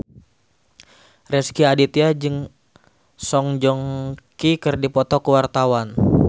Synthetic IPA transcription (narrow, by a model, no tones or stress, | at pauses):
rɛskiadit̪iad͡ʒɨŋ | sɔŋd͡ʒɔŋkikɨrdipɔt̪ɔkəwart̪awan